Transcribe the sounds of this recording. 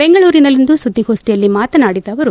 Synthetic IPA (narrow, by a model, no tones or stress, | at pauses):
beŋɡɐɭuːɾinɐlind̪usud̪ːihoːsʈijɐlːimaːt̪ɐnaːɽid̪ɐʋɐɾu